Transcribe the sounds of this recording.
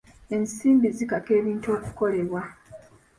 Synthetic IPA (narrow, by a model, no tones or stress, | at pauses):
e̞nsiːmbizikake̞ːβiːntuo̞ːku̥ko̞le̞βwa